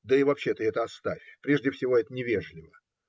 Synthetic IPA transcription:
d̪əɪvɐpɕːet̪əɛt̪əɐst̪afʲpɾʲe̞ʐdʲɪfsʲɪvo̞ɛt̪ənʲɪvʲeʐlʲɪvə

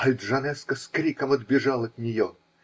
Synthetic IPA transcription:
ɐlʲd̪ʐɐnɛskəskɾʲikəmɐd̪bʲɪʐɑlˠɐt̪nʲɪjo

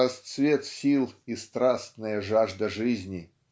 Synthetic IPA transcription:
ɐst̪svʲet̪sʲilˠist̪ɾasnəjəʐaʐd̪əʐɨzʲnʲɪ

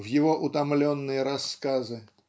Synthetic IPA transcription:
vjɪvoʔʊt̪ɐmlʲonːɨjəɾɐskazɨ

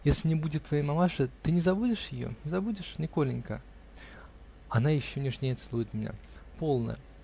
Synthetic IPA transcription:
jesʲlʲɪnʲɪbudʲɪt̪ːvɐjejmɐmaʂɨt̪ɨnʲɪzɐbudʲɪʂjɪjo̰nʲɪzɐbudʲɪʂnʲɪkolʲɪnʲkə̰ | ɐnajɪɕːonʲɪʐnʲejɐt̪sɨlˠujɪt̪ʲmʲɪnʲa̰ | po̞lˠnə̰

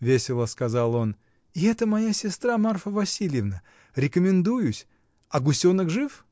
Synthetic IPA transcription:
vʲesʲɪlˠəskɐzalˠo̞n | ɪɛt̪əmɐjasʲɪst̪ɾamarfəvɐsʲilʲjɪvnə | ɾʲɪkəmʲɪnd̪ujʊsʲ | ɐɡʊsʲonəkʐɨf

